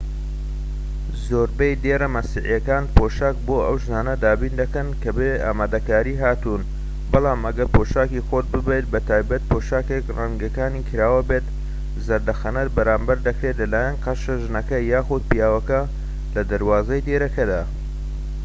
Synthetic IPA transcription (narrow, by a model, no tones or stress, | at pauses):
zoːɾbɐjd̪eːɾɐmɐsiʕijɐkaːnpʰoːʃaːk̚boːɐwʒnaːnɐd̪aːbiːnd̪ɐkɐnkɐbea̰ːmaːd̪ɐkaːɾiːɦaːt̪uːn | bɑlˠaːmʔɐɡɐɾpʰoːʃaːkixoːt̪̚bɨbejt̪̚bɐt̪ʰaːjbɐt̪̚pʰoːʃaːkekrɐŋɡɐkaːniːkʰɨɾaːwɐbet̪ | zɐɾd̪ɐxɐnɐt̪̚bɐɾaːmbɐɾd̪ɐkɾet̪lɐlaːjɐnqɐʃɐʒɨnɐkɐjaːxʊd̪̚pijaːwɐkɐ | lɐd̪ɐɾwaːzɐjd̪eːɾɐkɐd̪aː